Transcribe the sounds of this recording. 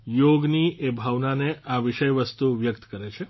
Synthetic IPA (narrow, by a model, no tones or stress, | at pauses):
joɡniʔebʱaʋnaneʔaʋiʃəjʋəst̪uʋjəkt̪kəɾet͡ʃʰe